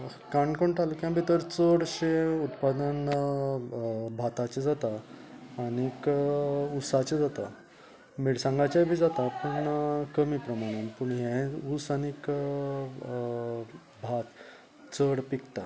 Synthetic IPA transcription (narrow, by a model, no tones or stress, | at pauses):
kaɳkəɳʈalkjãbʱit̪əɾt͡səɽɕeut̪pad̪ən | bʱat̪at͡ɕed͡zat̪aː | ɽ̃ik | usat͡ɕed͡zat̪a | miɽsãŋɡat͡ɕajbʱiːd͡zat̪apuɳkəmipɾəmaɽ̃anpuɳɦɛ̃usañik | bʱat̪ | t͡səɽpikt̪a